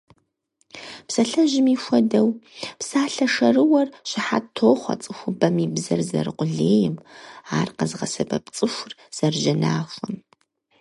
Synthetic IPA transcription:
psɐɬɐʒɪmiːxʷɔdɐwpsaːɬɐʂɐrɨwɐrɕɪħa̰tʰoːχʷɐ̰t͡sʼɨxʷʊbɐmiːbzɐrzɐ̰ɾɨqʷʊɮeːjɛmaːrqɐzʁɐ̰sɐbɐ̰p̚t͡sʼɨxʷʊrz̥ɐrʒɐnaːxʷɐm

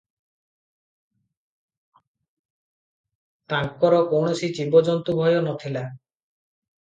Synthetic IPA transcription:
t̪aŋkːɔɾɔkowɳosid͡ʑibɔd͡ʒɔnt̪ubʱɔjɔnɔt̪ʰila

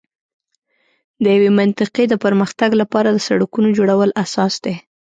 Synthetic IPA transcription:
d̪əjawemant̪ɪqed̪əpəɾməxt̪aɡlapɑɾad̪əsaɽakunod͡ʒoɽawəlasɑsd̪e

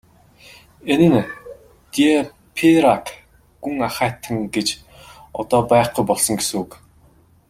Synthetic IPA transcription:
enɘ̆n | t̪ie | pʰeɾak | ɡuŋaχæːt̪ʰːə̆ŋɡet͡ɕ | ɔt̪ɔːpæːχɡujpɔɮsɞ̆ŋɡesuːk

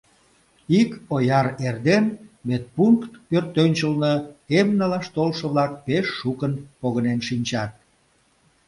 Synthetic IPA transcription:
ikojɑrerd̪enmet̪̚puŋkt̪pørt̪ːønʲt͡ɕəlnəemnɑlɑʃt̪olʃə̆βlɑk̚peʃːukənpoɣənenʃinʲt͡ɕɑt̪̚

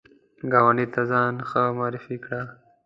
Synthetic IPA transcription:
ɡaːwanit̪azɑːnxəmaːɾɪfikɽa

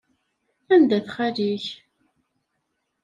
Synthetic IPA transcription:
ænd̪æθχæliç

